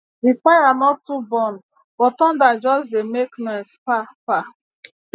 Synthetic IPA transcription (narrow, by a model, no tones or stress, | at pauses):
dipajanɔtːubɔ̃n | b̥ɔtɔ̃ndad͡ʒɔsdemeknɔ̃spapa